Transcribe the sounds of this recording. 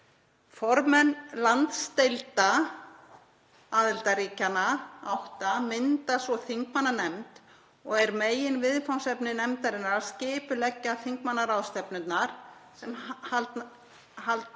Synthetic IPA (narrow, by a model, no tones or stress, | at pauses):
fɔɾmɛnːlant̪st̪ejlt̪a | aːðɪlt̪aɾiːcanaawht̪amɪnt̪asvɔθiŋkmanːanɛmt̪ | ɔɣɛɾmeːjɪnvɪðfawnsɛpnɪnɛmt̪aɾɪnːaɾascɪːpʏlɛcːaθiŋkmanːaɾawst̪ɛpnʏt̪naɾ̥sɛmhalt̪ | halt̪